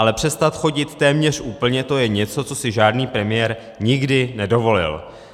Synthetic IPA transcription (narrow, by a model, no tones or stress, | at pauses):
alɛpr̥ɛst̪at̪xo̞ɟɪt̪ːɛːmɲɛr̝̥ʔuːpl̩ɲɛt̪o̞jɛɲɛt͡so̞t͡so̞sɪʒaːdniːpɾɛmɪjɛɾ | ɲɪɡdɪnɛdo̞vo̞lɪ̰l